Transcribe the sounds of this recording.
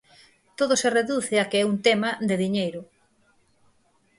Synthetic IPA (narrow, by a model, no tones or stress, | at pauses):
t̪oðosereðuθeakeɛunt̪ɛmad̪ɪðiɲejɾʊ